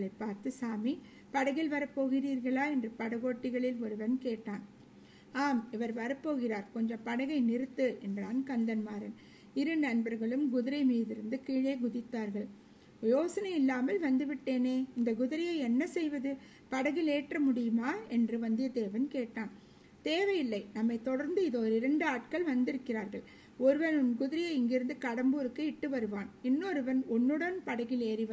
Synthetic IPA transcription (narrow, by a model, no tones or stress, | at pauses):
ɭɐɪpːaːɾt̪ɯsaːmi | pɐɽɐɣɪlʋɐɾɐpːoːɣɪriːɾɣɐɭaːɛndrɯpɐɽɐɣoːʈːɪɣɐɭɪlɔɾɯʋɐnkeːʈːaːn | aːmɪʋɐɾʋɐɾɐpːoːɣɪraːɾkɔɲd͡ʒɐ̃mpɐɽɐɣɐɪnɪɾɯt̪ːɯʔɛndraːnkɐnd̪ɐnmaːɾɐn | ɪɾɯnɐnbɐɾɣɐɭɯmɡʊðɪɾɐɪmiːðɪɾɯnd̪ɯkiːɻeːɡʊðɪt̪ːaːɾɣɐɭ | joːsɐnɐɪɪlːaːmɐlʋɐnd̪ɯʋɪʈːeːneːɪnd̪ɐɡʊðɪɾɪjɐɪɛnːɐsɛjʋɐðɯ | pɐɽɐɣɪleːʈrɐmʊɽɪjɯmaːɛndrɯʋɐnd̪ɪjɐd̪eːʋɐnkeːʈːaːn | t̪eːʋɐjɪlːɐɪnɐmːɐɪt̪ːɔɽɐɾnd̪ɯɪðoːɾɪɾɐɳɖɯaːʈ̚kɐɭʋɐnd̪ɪɾɯkːɪɾaːɾɣɐɭ | ɔɾɯʋɐnʊnɡʊðɪɾɪjɐɪɪŋɡɪɾɯnd̪ɯkɐɽɐmbuːɾɯkːɯɪʈːɯʋɐɾɯʋaːnɪnːoːɾɯʋɐnɔnːɯɽɐnpɐɽɐɣɪleːɾɪʋɐ